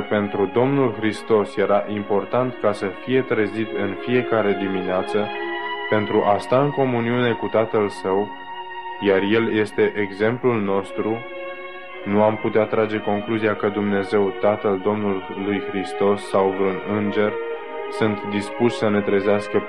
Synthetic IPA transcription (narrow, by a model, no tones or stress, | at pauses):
pe̞nt̪ɾud̪o̞mnulxɾist̪o̞sje̞ɾaʔimpo̞rt̪ant̪kasəfije̞t̪ɾəzit̪ɨnfije̞kaɾe̞d̪imineat̪səpe̞nt̪ɾuʔast̪aɨŋko̞muniune̞kut̪at̪əlsəw | jarje̞lje̞st̪e̞ʔeɡze̞mplulno̞st̪ɾu | nuamput̪eat̪ːɾad͡ʒe̞ko̞ŋkluziakəd̪umne̞ze̞wt̪at̪əld̪o̞mnulːujxɾist̪o̞sːawvɾunɨnd͡ʒe̞r | sɨnt̪d̪ispuʃsəne̞t̪ɾəzeaskə